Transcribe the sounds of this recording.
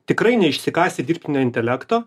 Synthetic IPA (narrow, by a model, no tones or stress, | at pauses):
t̪ʲɪkɾɐɪnʲɛɪʃʲsʲɪkɑːsʲt̪ʲɪd̪ʲiːɾʲp̚ʲt̪ʲɪnʲoːɪnt̪ʲɛlʲækt̪oː